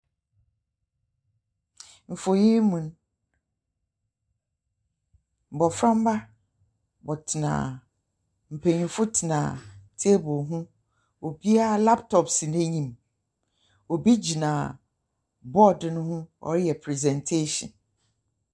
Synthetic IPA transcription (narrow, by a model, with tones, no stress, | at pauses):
m̩˨fo˨ji˦mũ˨n˦ | m̩˨bɔ˨fɾã˦m̩˦ba˦ | bɔ˨tʰɪ˨nã̰˨ | m̩˨pʰe˨ɲũ˨fʊ˦tʰɪ˨nã̰˨tʰe˦bʊ˨lɦʊ̃˦ | o˨bi˦a˦la˦ptʰɔ˨psi˨nẽ˦ɲĩ˨m | ɔ˨bi˦d͡ʑi˨nã˨ | bɔ˦dnʊ̃˦hʊ̃˦ɔ̰˨ɾɪ˦jɛ˨pʰɾɛ˨zɛ̃˨ntʰe˦ɕɔ̰̃˨n